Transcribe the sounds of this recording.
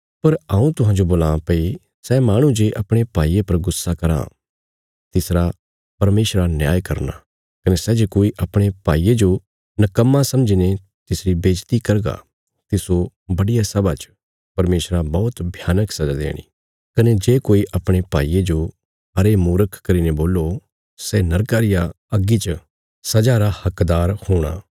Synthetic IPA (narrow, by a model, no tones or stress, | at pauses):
pɐɾɐũt̪ʊɦãːd͡ʒoboːlãpɐi | sɛmaːɽ̃ũd͡ʒeːʔɐpɽ̃epaːiːepɐɾɡʊsːakɐɾã̰ | t̪ɪsɾa | pɐɾmeːsɾanjaːjkɐɾna̰ | kɐnesɛːd͡ʒekoːiʔɐpɽ̃epaːiːed͡ʒo | nɐkɐmːasɐ̃md͡ʒine | t̪ɪsɾibeːd͡ʒt̪ikɐɾɡa̰ | t̪ɪso | bɐɽijasɐbat͡ʃ | pɐɾmeːsɾabɔːt̪bʱjaːnəksɐd͡ʒad̪ḛːɽ̃ḭ | kɐned͡ʒeːkoːiʔɐpɽ̃epaːiːed͡ʒo | ɐɾemuːɾəkkɐɾineboːlːo | sɛnɐɾkaːɾɪja | ɐɡit͡ʃ | sɐd͡ʒaɾahɐkd̪aːɾhoːɽ̃a̰ː